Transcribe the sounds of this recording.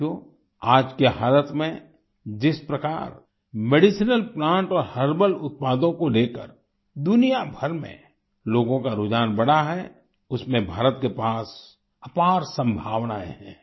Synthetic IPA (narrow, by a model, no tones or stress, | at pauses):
o | aːd͡ʒkeɦaːlət̪ʰmẽ | d͡ʒɪspɾɐka̰ːɾ | meɖɪsnəlplãːɳʈɔːɾhəɾbəlʊt̪̚paːd̪õkoleːkə̰ɾ | d̪ʊnijabʱəɾmḛ̃ | loːɡõkaɾʊd͡ʒaːnbɐɽ̤aɦɛ | ʊsmẽbʱaːɾət̪kepaːs | ɐpaːɾsə̃mbʱaːʋnaḛɦɛ̰̃ː